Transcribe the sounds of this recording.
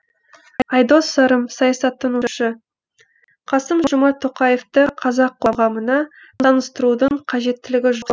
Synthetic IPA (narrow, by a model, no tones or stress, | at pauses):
ɑjd̪osɑɾəmsɑjɑsɑt̪ːɑnuʃɪ | qʰɑsəmʒʒʊmɑt̪ʰːoqɑje̞ft̪əqʰɑzɑqʰːoʁɑmənɑ | ɑnəst̪əɾud̪əɴqʰɑʒe̞t̪ːɪlɪɡʲɪʒʊ